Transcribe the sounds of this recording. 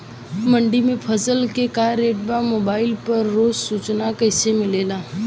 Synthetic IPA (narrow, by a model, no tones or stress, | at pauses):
mə̃ɳɖimẽpʰəsəlkekaːɾeːʈbamoːbaːɪlpɐɾːoːzsuːt͡ʃnakɐɪsemɪleːlaː